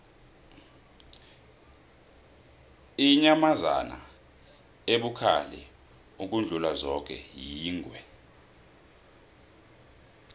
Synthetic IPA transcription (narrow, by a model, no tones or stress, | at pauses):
iɲamaza̰na̰ | eɓukʰa̰lɛ̰ | uk̬ʼund͡ɮʱulazɔk̬ʼɛ̰jiːŋʱwɛ